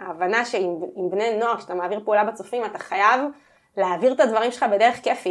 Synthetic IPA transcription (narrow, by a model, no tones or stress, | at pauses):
aːvanaʃeimimbneno̞aʁkʃeat̪amaːviʁpeulabet͡sofimat̪aχajav | leaːviʁt̪advaʁimʃelχabe̞d̪e̞ʁeχkefi